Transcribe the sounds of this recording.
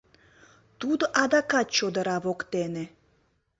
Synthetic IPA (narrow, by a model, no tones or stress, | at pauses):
t̪ud̪oʔɑd̪ɑkɑt̪̚t͡ɕod̪əɾɑβokt̪ene